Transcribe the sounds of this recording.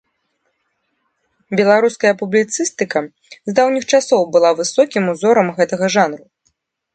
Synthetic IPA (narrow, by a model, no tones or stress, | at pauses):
bʲɛlˠaɾuskɐjɐpublʲit̪sɨst̪ɨkɐ | zd̪awnʲixt͡ʂasɔwbɨlˠavɨsɔkʲimuzɔɾɐmɣɛt̪ɐɣɐʐanɾu